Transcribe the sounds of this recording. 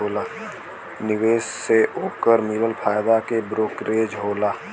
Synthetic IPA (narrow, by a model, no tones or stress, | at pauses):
oːlaː | nɪʋeːsseoːkəɾmiːɾəlpʰaːjd̪akebɾoːkɾeːd͡ʒɦoːlaː